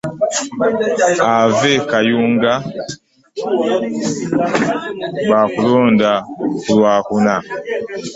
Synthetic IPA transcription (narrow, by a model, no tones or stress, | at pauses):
avɛkajuŋɡa | βakulɔːndakulwaːkuna